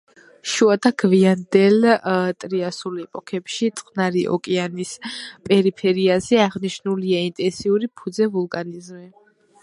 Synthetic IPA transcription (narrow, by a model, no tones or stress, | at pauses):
ʃuat̪ʰaɡviand̪ɛlt̪ʼɾiasulɛpʼɔkʰɛpʃit̪sʼqʼnaɾiʔɔ̰kʼɛanispʼɛɾipʰɛɾiazɛaʁniʃnuliaint̪ʼɛnsiuɾipʰud̪zɛvulˠkʼanizmɛ